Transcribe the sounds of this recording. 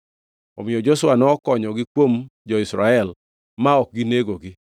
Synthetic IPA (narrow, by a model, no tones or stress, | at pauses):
ɔ̰mɪɔd͡ʒosʊwanɔkɔɲɔɡɪkwomd͡ʒɔɪsɾaɛl | maɔk̚ɡɪneɡoɡɪ